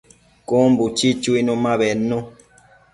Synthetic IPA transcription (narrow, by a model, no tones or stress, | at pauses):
kombut͡ʃit͡ʃuinũmãβenːũ